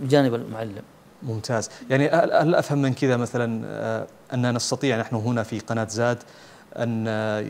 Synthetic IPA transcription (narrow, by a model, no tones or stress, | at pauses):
bɪd͡ʒaːnɪbalmʊʕalːɪm | mʊmt̪ʰaːzjaʕniʔaʔalʔa̰fhamːɪnkɪðamaθalan̰ | ʔanːanɑst̪ɑt̪ˤiːʕnaħnʊɦʊnafiqɑnaːt̪zaːd̪ | ʔa̰n